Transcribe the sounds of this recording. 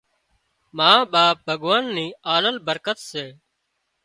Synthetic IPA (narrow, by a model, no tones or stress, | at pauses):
mãːɓaːp̚bʱəɠʋaːnːiːaːləlbəɾkət̪seː